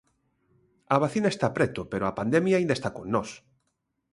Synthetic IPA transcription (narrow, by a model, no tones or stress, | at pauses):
aβaθinaest̪apɾɛt̪opeɾoapand̪emjaĩnd̪aest̪akonnɔs